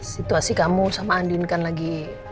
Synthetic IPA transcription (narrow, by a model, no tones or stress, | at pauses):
sit̪uasikamusamaːndinkanlaɡi